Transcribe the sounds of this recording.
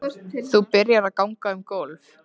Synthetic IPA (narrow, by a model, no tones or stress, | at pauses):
θupɪɾjaɾaðkawŋkaʏmkowlv